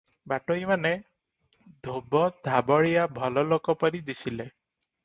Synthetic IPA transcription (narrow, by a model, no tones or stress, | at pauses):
baʈɔimane | d̪ʱobɔd̪ʱabɔɭijabʱɔlɔlokɔpɔɾid̪isile